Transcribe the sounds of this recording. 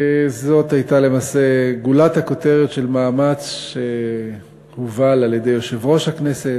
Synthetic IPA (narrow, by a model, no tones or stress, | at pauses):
ezo̞t̪hajtale̞maːse̞ɡulat̪hako̞te̞ʁetʃe̞lmaːmat͡sʃe | huvalalje̞de̞jo̞ʃe̞vʁo̞ʃhaknese̞t